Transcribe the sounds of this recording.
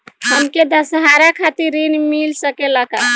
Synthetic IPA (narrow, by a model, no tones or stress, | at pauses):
ɦəmked̪əsɦaɾakʰat̪iɾinmilsəkeləka